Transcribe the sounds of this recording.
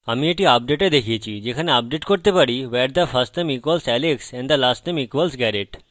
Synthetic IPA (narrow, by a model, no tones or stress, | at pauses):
amieʈiap̚ɖeʈed̪ekʰiet͡ɕʰid͡ʑekʰaneap̚ɖeʈkoɾt̪epaɽiʋɛɾd̪əfʰɐsʈnẽmikʋəlsɛleksɛ̃nɖd̪əlasʈnamikʋəlsɡɛɾeʈ